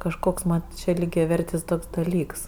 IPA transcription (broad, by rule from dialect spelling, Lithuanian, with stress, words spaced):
kɐʃˈkoːks mɐn t͡ʃʲɛ lʲiːɡʲɛˈʋʲɛrʲtʲɪs ˈtoːks dɐˈlʲiːks